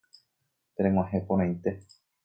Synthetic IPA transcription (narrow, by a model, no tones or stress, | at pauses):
t̪eɾẽŋwãɦẽpoɾ̃ãjt̪e